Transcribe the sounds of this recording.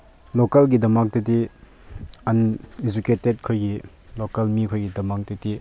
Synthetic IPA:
lokɐlɡidɐmak̚tɐti | ɐned͡ʒuketet̚kʰojɡi | lokɐlmikʰojɡidɐmak̚tɐti

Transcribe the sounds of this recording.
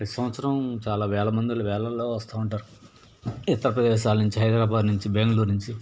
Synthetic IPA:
ɐsɐmʋɐt̪sɐɾɐmt͡ʃaːlaːʋɛːɭɐmɐnd̪ilɐʋɛːɭɐlːo̞ːʋɐst̪aːuɳʈaːɾu | ɪt̪ːɐɾɐpɾɐd̪eːʃaːlɐnuɲt͡ʃiɦɐjd̪ɾaːbaːd̪nuɲt͡ʃibeŋɡluɾnuɲt͡ʃi

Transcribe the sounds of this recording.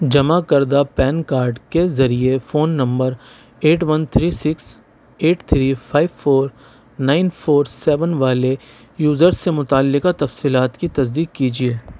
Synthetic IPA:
d͡ʒɐmakɐɾd̪apɛːnkaːɾɖkezɐɾiefoːnːɐ̃mbəɾ | eːʈʋɐnt̪ʰɾiːsɪks | eːʈt̪ʰɾiːfʰaːɪʋfoːɾ | naːɪnfʰoːɾsɛːʋənʋaːle | juːzəɾsːemʊt̪aːlːɪkat̪ɐfsiːlaːt̪kit̪ɐsd̪iːkːiːd͡ʒieː

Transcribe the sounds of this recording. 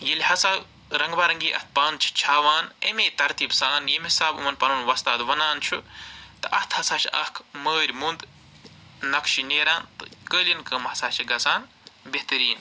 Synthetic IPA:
jilʲhɐsaː | ɾɐŋɡbaːɾɐŋɡiːʔɐ̰t̪̚ʰpaːnt͡ʃʰi̥t͡ʃʰaːʋaːnemeːt̪ɐɾt̪iːbsaːnjemɦisaːbṵmɐnpɐnuːnʋɐst̪aːt̪d̪ʋɐnaːnt͡ʃʰṵt̪ɨʔɐt̪ʰhɐsaːt͡ʃʰiʔɐ̰kʰməːɾʲmund̪ | nɐkʃineːɾaːnt̪ɨkəːlʲinkəmhɐsaːt͡ʃʰiɡɐsaːn | beht̪ɨɾiːn

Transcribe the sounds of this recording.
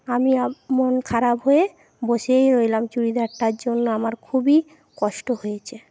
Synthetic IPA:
amiamonkʰaɾabɦoe | boʃejɾojlamt͡ɕuɾid̪ʱaʈːaɾd͡ʑonːoamaɾkʰubi | kɔʃʈoɦojet͡ɕʰe

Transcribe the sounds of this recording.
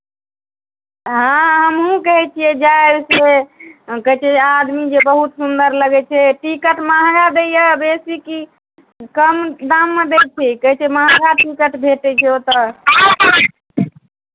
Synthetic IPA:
ɦãɦəmɦũkəɦɛt͡ʃʰijɛd͡ʒaebse | kəɦɛt͡ʃʰɛad̪mid͡ʒebəɦut̪sund̪əɾləɡɛt͡ʃʰɛʈikəʈmaɦɡad̪ejəbesiki | kəmd̪amːed̪et͡ʃʰikəɦɛt͡ʃʰɛmaɦaɡaʈikəʈbʱeʈɛt͡ʃʰɛot̪ɔ

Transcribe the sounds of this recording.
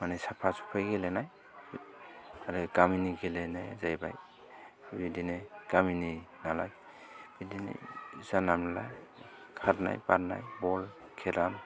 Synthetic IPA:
manɛsapʰasu̥pʰajɡelenaj | aɾɛɡaminiɡelɛnajzajba̰j | bidineɡ̥amininala̰ɡ | b̥idinḛzanamla̰ | kʰaɾna̰jpaɾna̰jbɔl | kʰɛɾam

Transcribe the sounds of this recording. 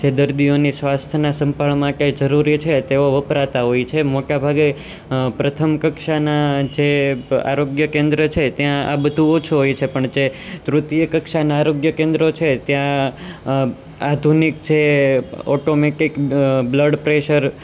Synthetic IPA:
t͡ʃʰed̪əɾd̪ionisʋast̪ʰənasəmpaɭmãkajd͡ʒəɾuɾit͡ʃʰet̪eʋoʋəpɾat̪aɦojt͡ʃʰemoʈabʱaɡe | pɾət̪ʰəmkəkʃanad͡ʒea̰ɾoɡjəkẽnd̪ɾət͡ʃʰet̪jãa̰bəd̪ʱũot͡ʃʰuɦojt͡ʃʰepəɳd͡ʒet̪ɾut̪ijəkəkʃanaːɾoɡjəkẽnd̪ɾot͡ʃʰet̪jã | ad̪ʱunikt͡ʃʰeɔʈomeʈikbləɖpɾeʃəɾ

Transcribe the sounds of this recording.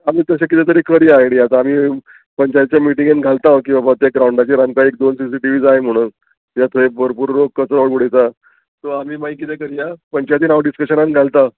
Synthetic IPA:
amiːt̪əɕakit̪ɛt̪əɾiːkəɾiaeɽiat̪ami | pəɲt͡ɕajt̪̚t͡ɕjamiʈĩŋɡenɡʱalt̪ãʋk̬ĩw̃ʋabət̪ek̚ɡɾauɳɖat͡ɕiɾãŋkaek̚d̪onsisiʈiʋiːd͡zaɦem̤əɽ̃uːn | jat̪ʰoebʱəɾpuɾɾokət͡səɾoɭɡuɽejt͡sa | t̪oamiːmaikit̪ɛkəɾiapəɲt͡ɕajt̪̬iːnaʋɖiskəɕənanɡʱalt̪a

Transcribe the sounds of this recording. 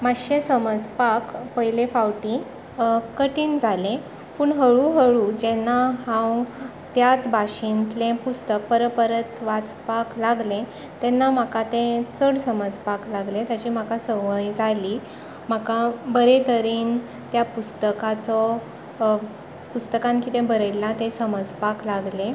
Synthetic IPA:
maɕẽsəməd͡zpakpəjlẽfawʈĩ | kəʈiːnd͡zʱalẽ | puːɳɦəɭuɦəɭũd͡ʑenːaɦãw | t̪jat̪bʱaɕint̪lẽpust̪ək̚pəɾəpəɾət̪ʋat͡spaklaɡlẽ | t̪ɛnːam̤akat̪ẽt͡səɽsəməd͡zpaklaɡlẽt̪jat͡ɕiːm̤akasəʋəjd͡zaliː | m̤akabəɾet̪əɾiːn | t̪japust̪əkat͡sɔ | pust̪əkãnkiːt̪ẽbəɾəjlːat̪ẽsəməd͡zpaklaɡlẽ

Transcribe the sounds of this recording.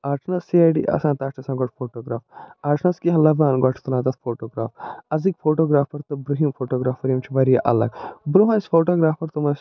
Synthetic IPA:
aːɾʈʰnɐsːiaːjɖḭːʔɐ̰sãːnt̪aːʈʰɐsãːɡɔʈʰfʰoːʈoːɡɾaːfaːɾʈʰnɐskiɦɐ̃lɐbaːnɡɔʈʰt̪unãːt̪ɐt̪ʰfʰoːʈoːɡɾaːfɐzikfʰoːʈoːɡɾaːfpɐɾt̪ɐbɾɐɦimfʰoːʈoːɡɾaːfɐɾimt͡ʃʰiʋɐɾijɐʔɐ̰lɐ̰ɡbɾuɦɐnsfoːʈoːɡɾaːfpɐɾt̪umɐs

